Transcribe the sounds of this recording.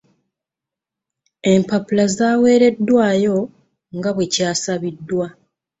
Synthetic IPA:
e̞mpapulazaːwe̞ːɾe̞dːwaːjo̞ | ŋɡaβwe̞caːsaβidːwa

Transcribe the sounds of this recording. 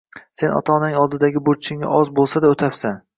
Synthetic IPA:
se̞nɒ̰t̪ʰɒnnɪŋɒlˠd̪ɪd̪aɡʲɪbot͡ʃʰɪŋa̰ʔɒzbolˠsad̪aot̪ʰapsan

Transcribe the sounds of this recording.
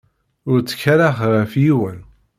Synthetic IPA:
ʊɾt͡sːə̥çaɾaχʁəfjiwən

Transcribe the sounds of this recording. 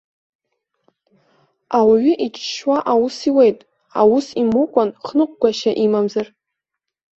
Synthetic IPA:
awaɥʏʔit͡ʃʰʼʃwaʔawusiwejtʼ | a̰wusimukʷʼanχnɨqʷʼɡʷaʃaʔimamzar

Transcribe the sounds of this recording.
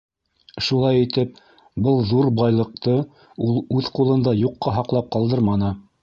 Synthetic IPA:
ʃulˠɑjit̪ɘp̚ | bɤlˠðuɾbɑjlˠɤ̆q̚t̪ɤ | ulˠʉðqulˠɤ̆nd̪ɑjuqːɑɦɑqlˠɑp̚qɑlˠd̪ɤɾmɑnɤ

